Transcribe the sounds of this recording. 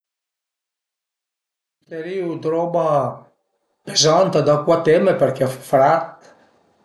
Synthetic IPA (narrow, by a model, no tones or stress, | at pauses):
t̪eɾiud̪ɾɔma | pezant̪ad̪akwat̪emeperkɛffɾat̪